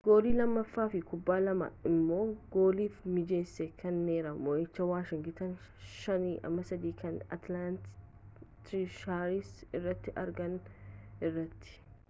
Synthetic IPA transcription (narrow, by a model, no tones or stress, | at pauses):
ɡ̥o̞ːliːlɐmːɐfːaːfɪkʊbːaːlɐmɐ̰ɪmːo̞ːɡ̥oːliːfmɪd͡ʒeːsːɛkʰɐnːeːɾɐmɔʔɛt͡ʃːɐwaːʃɪŋɡɪt̪ɐn | ʃɐniːʔɐ̰mːɐsɐd̪iːkʰɐnɐ̰t̪lant̪ | t̪ɪʃaːɾisɪrːɐt̪ːɪʔɐɾɡɐnɪrːɐt̪ːɪ̥